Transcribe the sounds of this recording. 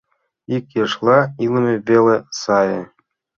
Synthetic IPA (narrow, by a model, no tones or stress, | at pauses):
ikʲjɤ̆ʂlˠɑilʲˠɤ̆mʲĕbʲelʲĕsɑjɤ̆